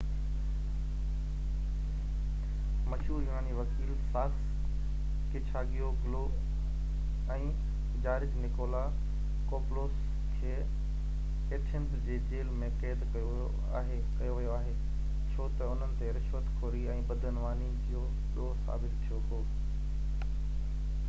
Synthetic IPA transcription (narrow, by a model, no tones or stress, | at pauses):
mɐʃɦuːɾjunaːniʋɐkiːlsaːks | kɪt͡ɕʰaːɡijoɡloː | ɛ̃ː | d͡ʑaːɾɪd͡ʑnɪkoːla | koːploːs | kʰeː | eːʈʰə̃ntd͡ʑeːd͡ʑeːlmẽkeːt̪kɐjoo | aːɦe | kɐjoʋɐjoaːɦeː | t͡ɕʰoːt̪ɐʊn̤ənɪ̆t̪eɾɪʃʋət̪kʰoːɾiɛ̃ːbɐd̪ʱənʋaːnid͡ʑijo | ɗoːsa̰ːbɪt̪t̪ʰijoɦoː